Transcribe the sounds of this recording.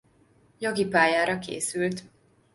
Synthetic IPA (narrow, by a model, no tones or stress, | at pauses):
joɡipaːjaːɾɒkḛːsylt̪